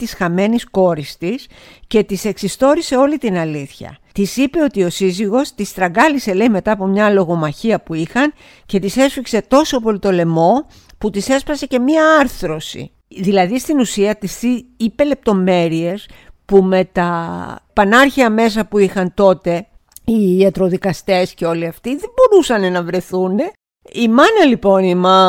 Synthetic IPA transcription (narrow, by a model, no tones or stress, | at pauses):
t̪isxɐme̞nisko̞ɾist̪is | ce̞t̪ise̞ksist̪o̞ɾise̞o̞lit̪inɐliθçɐ̰t̪isipe̞o̞t̪io̞siziɣo̞st̪ist̪ɾɐɡɐlise̞le̞ime̞t̪ɐːpo̞mɲɐlo̞ɣo̞mɐçiɐpuixɐn | ce̞t̪ise̞sfikse̞t̪o̞so̞po̞lit̪o̞le̞mo̞ | put̪ise̞spɐse̞ce̞miɐɐɾθɾo̞sḭ | ðilɐðist̪inusiɐt̪isθiipe̞le̞p̚t̪o̞me̞ɾie̞spume̞t̪ɐpɐnɐɾçiɐme̞s̬ɐpuixɐnt̪o̞t̪e̞ | iːɐt̪ɾo̞ðikɐst̪e̞sce̞o̞liɐft̪iðebo̞ɾusɐnenɐvɾe̞θune̞ | imɐnɐlipo̞nimɐ